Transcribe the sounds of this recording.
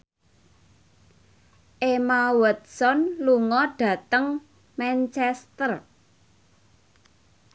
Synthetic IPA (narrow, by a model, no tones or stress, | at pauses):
ʔemawət̪̚sɔnluŋɔɖ̥ä̤t̪əŋ | mɛnt͡ʃɛst̪ər